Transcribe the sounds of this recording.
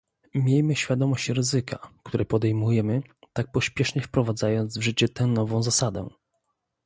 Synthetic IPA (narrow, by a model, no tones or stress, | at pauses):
mʲjejmɘɕfʲjad̪ɔmɔɕt͡ɕɾɘzɘkʰa̰kt̪uɾʔɛpɔd̪ɛjmujɛmɘt̪ak̚pɔɕpʲjɛʂɲɛfpɾɔvad̪zajɔnd̪zvʐɘt͡ɕɛt̪ɛ̃nɔvɔ̃w̃zasad̪ɛ̰